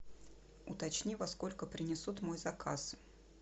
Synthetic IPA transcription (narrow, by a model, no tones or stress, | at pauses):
ʊ̰t̪ɐt͡ɕnʲivɐsko̞lʲkəpɾʲɪnʲɪsut̪mo̞jzɐka̰s